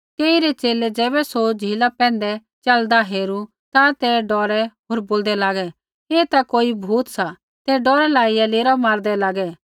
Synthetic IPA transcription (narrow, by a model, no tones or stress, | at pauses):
t̪eːiɾɛt͡ʃeːlɛd͡ʒɛːbɛsod͡ʒʱiːlapɛ̃ːnd̪ɛ | t͡ʃɐld̪aɦeːɾu | t̪at̪ɛɖɔːɾɛɦoːɾboːld̪ɛlaːɡɛ | eːt̪akoːibʱuːt̪sa | t̪ɛɖɔːɾɛlaːijaleːɾamaːɾd̪ɛlaːɡɛ